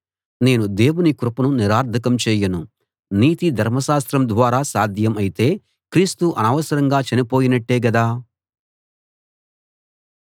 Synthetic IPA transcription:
ne̞ːnud̪e̞ːwunikɾupɐnuniɾaːɾd̪ʰʱɐkɐmt͡ʃɛːjɐnu | niːt̪id̪ʱɐɾmɐʃaːst̪ɾɐmd̪ʋaːɾaːsaːd̪ʱjɐmɐjit̪e̞ː | kɾiːst̪uʔɐnɐːʋɐsɐɾɐŋɡaːt͡ʃɐnipo̞ːjinɐʈːeːɡɐd̪aː

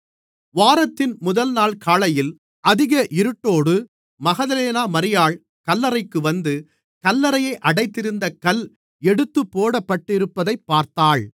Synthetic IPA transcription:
ʋaːɾɐt̪ːɪnmʊðɐlnaːɭkaːɭɐjɪl | ʔɐðɪɣɐʔɪɾɯʈːoːɽɯ | mɐɣɐðɐleːnaːmɐɾɪjaːɭ | kɐlːɐɾɐɪkːɯʋɐnd̪ɯ | kɐlːɐɾɐjɐɪʔɐɽɐɪt̪ːɪɾɯnd̪ɐkɐl | ɛɽɯt̪ːɯpːoːɽɐpːɐʈːɪɾɯpːɐðɐɪpːaːɾt̪aːɭ

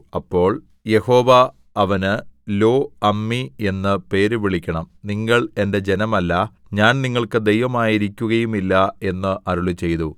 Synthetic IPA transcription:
ɐpːo̞ːɭ | je̞ho̞ːʋɐː | ʋɐnɨlo̞ːɐmːie̞nːɨpe̞ːɾuʋiɭikʲːɐɳɐmniŋːɐɭe̞nde̞d͡ʑe̞nɐmɐlːɐ | ɲaːnniŋːɐɭkɨd̪e̞jʋɐmaːjiɾikʲːuɣɐjumilːɐe̞nːɨʔɐɾuɭut͡ɕe̞jt̪u

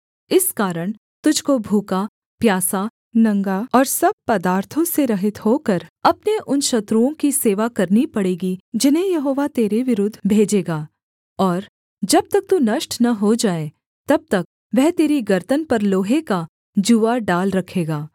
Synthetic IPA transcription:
ɪskaːɾəɽ̃ | t̪ʊd͡ʒʱkobʱuːka | pjaːsa | nɐ̃ŋɡaɔːɾsɐb̚pɐd̪aːɾt̪ʰõseɾɐɦɪt̪hoːkɐɾɐpneʔʊnʃɐt̪ɾuõkiseːʋakɐɾnipɐɽeːɡid͡ʒɪnɦẽjɐɦoːʋat̪eːɾeʋɪɾʊd̪ʱːbʱeːd͡ʒeːɡaː | ɔːɾ | d͡ʒɐb̚t̪ɐk̚t̪unɐʃʈnɐɦod͡ʒaːe | t̪ɐb̚t̪ɐk̚ | ʋɛɦt̪eːɾiɡɐɾt̪ənpɐɾloːɦeka | d͡ʒuːaɖaːlɾɐkʰeːɡaː

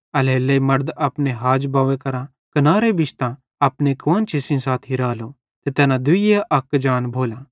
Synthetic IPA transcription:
ɐleːlːeimɐɾd̪apneɦaːd͡ʒbaːʋẽkɐɾã | kɐnaːɾebɪt͡ʃʰt̪ã | ɐpnekʋɐːnt͡ʃʰesĩsaːt̪ʰɦɪɾaːlo | t̪et̪ɛːnãd̪ʊiaʔɐkd͡ʒaːnbʱoːlaː

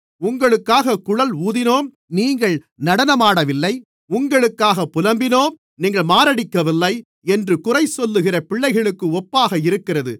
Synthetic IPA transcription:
ʊŋɡɐɭɯkːaːɣɐkʊɻɐluːðɪnoːm | niːŋɡɐɭ | nɐɽɐnɐmaːɽɐʋɪlːɐɪ | ʊŋɡɐɭɯkːaːɣɐpːʊlɐmbɪnoːm | niːŋɡɐɭmaːɾɐɽɪkːɐʋɪlːɐɪ | ɛndrɯkʊrɐɪsɔlːɯɣɪrɐpɪɭːɐɪɣɐɭɯkːɯɔpːaːɣɐɪɾɯkːɪrɐðɯ̰

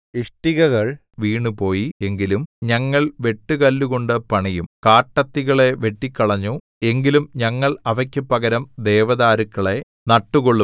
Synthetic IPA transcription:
iʂʈiɣɐɣɐɭ | ʋiːɳupo̞ːjie̞ŋɡilumɲɐŋːɐɭʋe̞ʈːɨkɐlːuɣo̞ɳɖɨpɐɳijumkaːʈːɐt̪ːiɣɐɭe̞ʋe̞ʈːikːɐɭɐɲːu | e̞ŋɡilumɲɐŋːɐɭɐʋɐkʲːɨpːɐɣɐɾɐmd̪eːʋɐðaːɾukːɐɭe̞ | nɐʈːuɣoɭːu

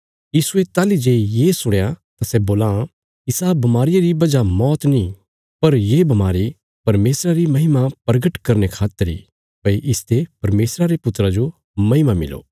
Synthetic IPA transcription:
jiːsuet̪aːlid͡ʒeːjeːsʊɽjat̪asɛboːlã | ɪsabɐmaːɾɪjaɾibɐd͡ʒamɔːt̪nĩ | pɐɾjebɐmaːɾi | pɐɾmeːsɾaɾimɐɦɪmapɐɾɡəʈkɐɾnekʰaːt̪əɾḭ | pɐiʔɪst̪epɐɾmeːsɾaɾepʊt̪ːɾad͡ʒo | mɐɦɪmamɪ̰lo̰ː

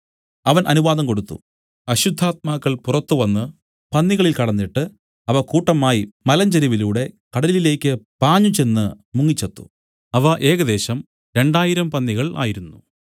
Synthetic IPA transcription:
ɐʋɐnʔɐnuʋaːðɐmko̞ɽut̪ːṵ | ɐɕud̪ʱːaːt̪̚maːkːɐɭpurɐt̪ːuʋɐnːɨ | pɐnːiɣɐɭilkɐɽɐnːiʈːɨ | ɐʋɐkuːʈːɐmaːjimɐlɐɲd͡ʑɐɾiʋiluːɽe̞kɐɽɐllile̞ːkʲːɨpaːɲːut͡ɕe̞nːɨ | muŋːit͡ɕːɐt̪ːu̥̰ | ɐʋɐʔe̞ːɣɐd̪e̞ːɕɐm | ɾe̞ɳɖaːjiɾɐmpɐnːiɣɐɭa̰ːjiɾunːu

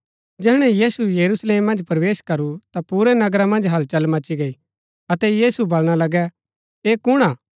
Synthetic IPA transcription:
d͡ʒɛːɽ̃ɛ̃jiːsujɐɾusleːmːɐ̃nd͡ʒpɐɾʋeːʃkɐɾut̪apuːɾɛnɐɡɾamɐ̃nd͡ʒɦɐlt͡ʃɐlmɐt͡ʃiɡɐi | ɐt̪ɛjiːsubɐlɽ̃alɐɡɛ | eːkʊɽ̃aː

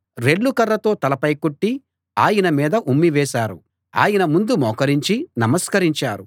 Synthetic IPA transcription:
ɾe̞ɭːukɐrːɐt̪o̞ːt̪ɐlɐpɐjkoʈːi | aːjɐnɐmiːd̪ɐʔumːiʋɛːʃaːɾu | a̰ːjɐnɐmund̪umɔːkɐɾiɲt͡ʃinɐmɐskɐɾiɲt͡ʃaːɾu

